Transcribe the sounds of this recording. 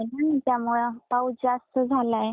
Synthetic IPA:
nanat̪jamuɭpawd͡zast̪əd͡zʱalaj

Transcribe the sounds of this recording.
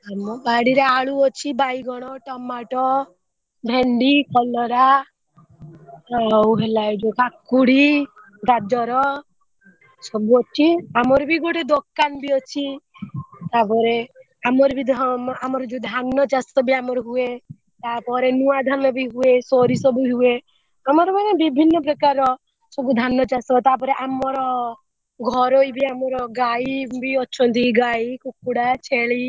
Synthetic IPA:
amɔbaɽiɾaaɭuɔt͡ʃʰibajɡɔɽ̃ɔʈɔmːaʈɔ | bʱeɳɖikɔlɔɾa | awɦelajd͡ʒokakːuɽi | ɡad͡ʒɔɾɔ | sɔbuɔt͡ʃʰiamɔɾbʱiɡoʈed̪okːanbiɔt͡ʃʰi | t̪apɔɾe | amɔɾbid̪ʱamɔɾɔd͡ʒud̪ʱanːɔt͡ʃast̪ɔbiamɔɾɔɦue | t̪apɔɾenuad̪ʱanɔbiɦuesɔɾisɔbuɦue | amɔɾɔmanebibʱinːɔpɾɔkaɾɔ | sɔbud̪ʱanːɔt͡ʃast̪ɔt̪ap̬ɔɾeʔamɔɾɔ | ɡʱɔɾoibiamɔɾɔɡaibiɔt͡ʃʰɔnt̪iɡaikukːuɽat͡ʃʰeɭi

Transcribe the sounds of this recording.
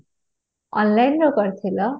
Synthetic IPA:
ʌnlajnroɡʌɾt̪ʰilʌ

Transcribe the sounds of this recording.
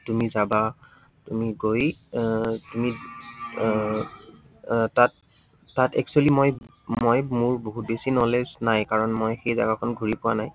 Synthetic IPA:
tumizaba | tumiɡoj | tumi | tatː | atɛ̰k̚t͡ʃualimoj | mojmʊɹboɦut̚besinɔlesnajkaɹɔnmojxejza̰ɡakʰɔnɡʱuɹipʊwanaj

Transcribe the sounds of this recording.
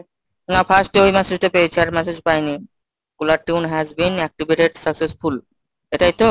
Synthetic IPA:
napʰasʈojmɛsed͡ʒt̪opeet͡ɕʰiaɾmɛsed͡ʒpajni | kulaʈunɦɛzbinɛk̚ʈibeʈeɖsʌksesfʰul | eʈait̪o

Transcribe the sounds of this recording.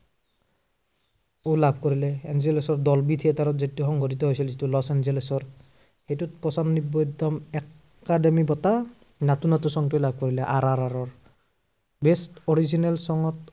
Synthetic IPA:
olabʱkoɹilɛɛnzelesɔɹdɔlbitʰiɛtaɾɔtzituxɔŋɡɔtitɔɦojsilzitulɔsɛnzelesɔɹ | xejtut̚pɔsannibɔdɔmɛ | kademibɔta | natunatusɔŋtujlab̚ʱkoɹilɛʔaɹaɹaɹɔɹ | bɛstɔɹizinalsɔŋɔt

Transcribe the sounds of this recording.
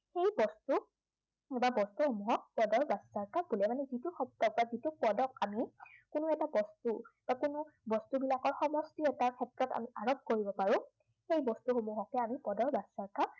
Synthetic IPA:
xejbɔstu | babɔstuhomuɦɔk̚pɔdɔɹbassaɹkabulɛmanɛzitʊxɔp̚tɔk̚bazitʊpɔdɔkamikʊnʊɛtabɔstub̥akʊnʊbɔstubilakɔɹxɔmɔstiɛtaɹkʰɛtɹɔta̰miaɹɔp̚koɹibɔpaɹʊ̃ | xejbɔstuxomuɦɔkɛamipɔdɔɹbassaɹka

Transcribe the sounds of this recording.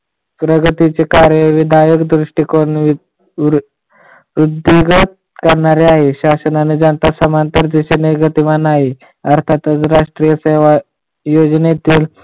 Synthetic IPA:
pɾəɡət̪it͡sekaɾjəʋid̪ʱajəkd̪ɾuʂʈikon | ʋɾud̪ʱːiɡət̪̚ | kəɾɳaɾeaɦeɕasənaned͡zanət̪asəmant̪əɾd͡z̪iɕeneɡət̪imanaɦi | əɾt̪ʰat̪ət͡sɾaʂʈɾijəseʋa | jod͡znet̪iːl

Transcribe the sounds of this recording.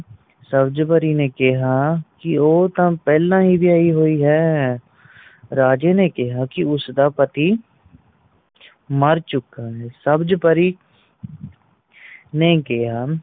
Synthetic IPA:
səbd͡ʒpəɾiːneːkɪɦaːkɪoːt̪ãːpɛːlãːɦiːʋɪjaːiːɦoːiːɦɛː | ɾaːd͡ʒeːneːkɪɦaːkɪʊsd̪aːpət̪iː | məɾt͡ʃʊkːaːɦɛːsəbd͡ʒpəɾiː | neːkɪɦaː

